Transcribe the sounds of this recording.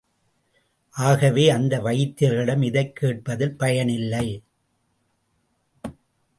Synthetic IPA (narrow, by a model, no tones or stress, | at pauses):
ʔaːɣɐʋeːɐnd̪ɐʋɐjɪt̪ːɪɾɣɪɽɐmɪðɐɪkːeːʈ̚pɐðɪlpɐjɐɳɪlːɐɪ